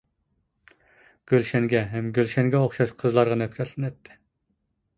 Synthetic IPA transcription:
ɡ̥ʲølʃɛŋɡʲɛɦɛmɡʲølʃɛŋɡʲɛoχʃɑʃqʰəzlˠɑɾʁɑnɛpʰɾɛt̪ʰlɪnɛt̪ʰːɪ̥

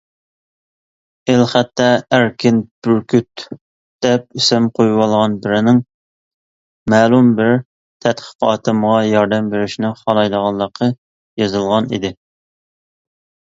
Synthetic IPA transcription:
ɪlχæt̪ʰːɛːɾkʲʰɪnb̥yɾkʲʰyt̪ | d̪̥ɛp̚ysɪmqʰojuwɑlˠʁɑnbɪɾɪnɪŋ | mɛːlˠumbɪɾ | t̪ʰɛt̪̚qʰə̥qɑ̰ːt̪ʰɨmʁɑjɑɾd̪ɛmbeɾɪʃnɪχɑlˠɑjlˠəʁɑlˠːəqʰːə | jɑzɨlˠʁɑnḭd̪ɪ

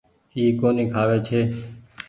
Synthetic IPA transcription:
iːkoːnĩːkʰaːʋeːt͡ʃʰeː

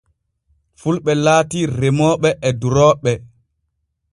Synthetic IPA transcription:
fulɓɛlaːtiːremɔːɓɛʔɛduɾɔːɓɛ

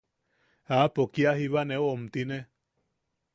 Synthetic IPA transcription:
hapokiaɦiβaneoomt̪ine

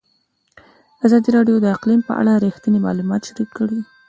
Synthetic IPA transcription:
azɑd̪iɾɑɖjod̪əɪqlimpə̰ʔa̰ɽaɾixt̪ənimɑ̰lumɑt̪ʃaɾikʰːəɽed̪i

